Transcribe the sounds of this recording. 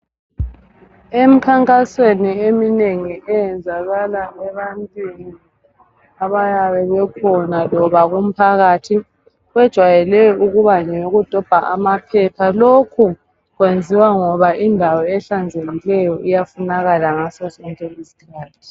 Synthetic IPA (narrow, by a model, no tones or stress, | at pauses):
em̩kʰaŋkʼasweniemineŋiʔɛjɛnd͡zʱaɣalaɛβantʼwini | aβajaβɛβɛkʰɔnalɔβaɣum̩pʰaɣaːtʰi | ɣwɛd̥ʒ̥ʱwajɛlɛuɣuβaɲɛwoɣud̥ʱɔb̥ʱaʔamapʰɛpʰalokʰu | ɣwend͡zʱiwaŋɔβaʔindʱawɔɛɬand͡zʱelilɛjɔʔijafunaɣalaŋasɔzɔŋkʼɛlisi̥kʰaːtʰi̥